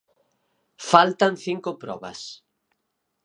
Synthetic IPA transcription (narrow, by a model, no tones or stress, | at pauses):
falt̪anθiŋkʊpɾɔ̰βɐ̰s